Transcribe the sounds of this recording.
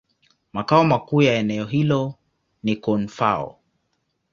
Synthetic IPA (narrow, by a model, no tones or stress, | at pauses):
makaɔmakuːjaɛnɛɔɦilɔ | nikɔnfaɔ̰